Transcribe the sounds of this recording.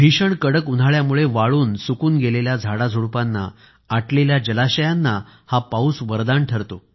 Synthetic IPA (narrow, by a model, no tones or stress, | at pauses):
bʱiɕəɳkəɽəkund̪ʱaɭjamuɭeʋaɭuːnsukuːnɡeleljad͡zʱaɽad͡zʱuɽpanːa̰ | aʈleljad͡ʑəlaɕəjanːahapausʋəɾd̪aɳʈʰəɾt̪o